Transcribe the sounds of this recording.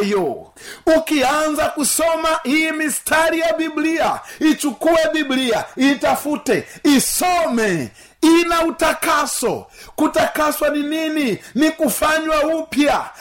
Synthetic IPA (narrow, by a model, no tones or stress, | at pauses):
jɔ | ukianzakusɔmaʔijimistʰaɾijabibliait͡ʃukuɛbibliaitafutɛisɔmɛ | inautakasɔ̰kutakaswaninininikufaɲwaupja